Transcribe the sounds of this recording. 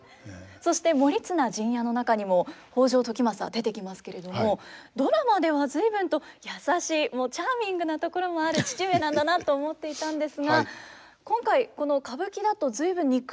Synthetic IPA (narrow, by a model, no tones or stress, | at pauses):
so̞ɕi̥t̪e̞mo̞ɾʲit͡sɨnaʑĩɰ̃jano̞nakaɲ̟imo̞ho̞ːʑo̞ːt̪o̞kʲimasɨa̰d̪e̞t̪e̞kʲimasɨ̥ke̞ɾe̞d̪o̞mo̞d̪o̞ɾamad̪e̞βazɨibɯ̟̃nt̪o̞jasaɕiːmo̞ːt͡ɕaːmʲĩŋɡɯ̟nat̪o̞ko̞ɾo̞mo̞aɾɯ̟t͡ɕi̥t͡ɕie̞nãnd̪anat̪ːo̞ːmo̞t̪ːe̞it̪ãnd̪e̞sɨɡa | kõŋkaiko̞no̞kabɯ̟kʲid̪at̪o̞zɨibɯ̟̃ɲ̟ːik